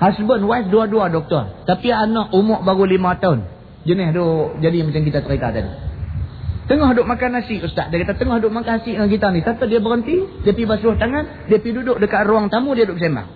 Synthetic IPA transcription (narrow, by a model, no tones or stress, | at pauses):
hasbənwaisduaduadɔk̚t̪ɔrt̪apianɔʔumɔʔbaɣulimat̪aʊn | d͡ʒənɪɦdʊʔd͡ʒadimat͡ʃamkit̪at̪əɾit̪at̪adḭ | t̪əŋɔhɦdʊʔ̚makanasɪʔust̪a̰ʔdiakat̪at̪əŋɔhdʊʔmakanasɪʔəkit̪anisat̪ədiabəɾənt̪idiəpibasɾʊht̪aŋan | diəpidudʊʔdəkaʔruaŋt̪amudiadʊʔs̬ama̰